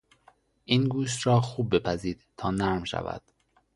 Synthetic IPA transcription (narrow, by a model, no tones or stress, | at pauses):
ʔiːnɡuːʃ̬t̪ɾɒːxuːb̚ːe̞pʰæziːd̪̥t̪ʰɒːnæɾmʃæ̰væ̰d̪̥